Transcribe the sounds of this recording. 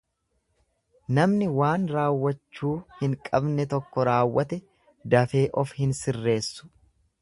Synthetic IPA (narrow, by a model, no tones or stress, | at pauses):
nɐmnɪwaːnɾaːwːɐt͡ʃːuːhɪŋkʼɐbnɛt̪ɔkːɔɾaːwːɐt̪ɛ | d̪ɐfe̞ːʔɔfhɪnsɪrːe̞ːsːʊ̥